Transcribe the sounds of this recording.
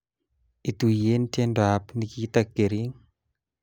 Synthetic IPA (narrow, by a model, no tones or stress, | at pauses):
it̪ujentendapnikit̪ak̚ɡeɾiŋ